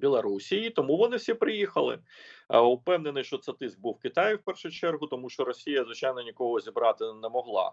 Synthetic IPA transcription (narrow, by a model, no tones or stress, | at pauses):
bʲilˠɐɾusʲijit̪ɔmuʋɔnɪfsʲipɾɪjixɐlˠɪ̰ | ʊpɛwnenɪʃt͡ʃɔt̪sɛt̪ɪsk̚buwkɪt̪ɑjɪwpɛrʃʊjʊt͡ʃɛrɦʊt̪ɔmuʃt͡ʃɔɾɔsʲijɐzʋɪt͡ʃɑjnɔnʲikɔɦɔzʲibɾɑt̪ɪnɛmɔɦlˠɑ̰